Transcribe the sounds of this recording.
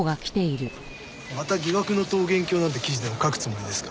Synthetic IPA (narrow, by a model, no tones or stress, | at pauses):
ɡakʲi̥t̪e̞iɾɯ̟ | mat̪aɡʲiɡakɯ̟no̞t̪o̞ːɡẽ̞ŋkʲo̞ːnãnt̪ekʲiʑid̪emokakɯ̟̥t͡sɨmoid̪e̞sɨ̥kḁ